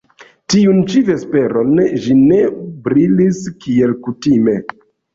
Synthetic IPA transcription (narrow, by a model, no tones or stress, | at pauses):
tiunt͡ʃive̞spe̞ɾo̞nʒine̞bɾiliskie̞lkutime̞